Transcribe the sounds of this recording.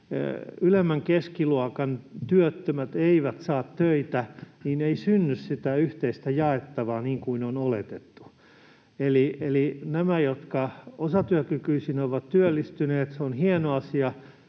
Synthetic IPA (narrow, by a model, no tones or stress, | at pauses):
ylemːæŋkeskiluɔkɑnt̪yøt̪ːømæt̪eiʋæt̪sɑːt̪tøit̪æniːneisynːyssit̪æyht̪eist̪æjɑet̪ːɑʋɑːniːŋkuinonolḛt̪et̪ːu̥ | elielinæmæjot̪kɑosɑt̪yøkykyisinoʋɑt̪t̪yølːist̪yneːt̪seonhienoɑsiɑ